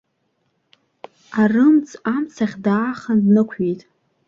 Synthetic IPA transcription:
arɨmt͡sʰʼamt͡sʰaχʲdaːχandnɨkʷʰejtʼ

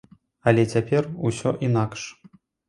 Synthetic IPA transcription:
ɐlʲɛt͡sʲapʲɛrusʲɔ̰ʔinakʂ

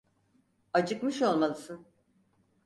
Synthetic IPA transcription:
at͡ʃʰɯkmɯʃo̞lˠmalˠɯsɯn

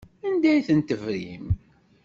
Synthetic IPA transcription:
ænd̪æjθənt̪əvɾim

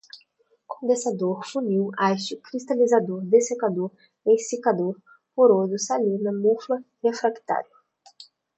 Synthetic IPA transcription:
kõnd̪ẽsad̪oɾfũniwajsʊkɾist̪alizad̪oɾd̪esekad̪oɾ | ẽjsekad̪oɾ | poɾod̪ʊsalinɐmuflɐhefɾakt̪a̰ɾjʊ

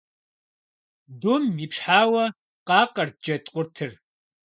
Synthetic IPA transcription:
dumiːpʂħaːwɐ | qɑːqɐrd͡ʒɐtʼqʷʼʊrtʰɨr

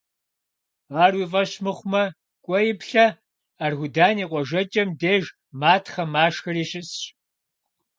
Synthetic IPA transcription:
aːrwiːfʼɐɕmɨχʷmɐ | kʷʼɔjɪpɬɐ | aːrxʷʊdaːniːqʷɔʒɐt͡ʃʼɐmdeːʒ | maːtʰχɐmaːʂxɨriːɕɪs

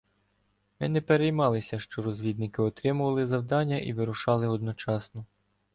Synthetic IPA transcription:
mɪnɛpeɾejmɑlˠɪsʲɐʃt͡ʃɔɾɔzʲʋʲid̪̚nɪkɪɔt̪ɾɪmʊʋɐlˠɪzɐwd̪ɑnʲːɐʔḭʋɪɾʊʃɑlˠɪɔd̪nɔt͡ʃɑsnɔ

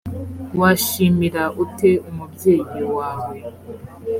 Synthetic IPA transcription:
waʃimiɾaʔutʰe̞umubje̞ːjewaːwe

